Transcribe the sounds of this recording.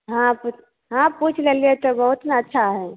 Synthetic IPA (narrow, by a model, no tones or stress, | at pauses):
ɦãput͡ʃ | ɦãput͡ʃʰleliet̪obəɦut̪neətːʃʰaɦɛ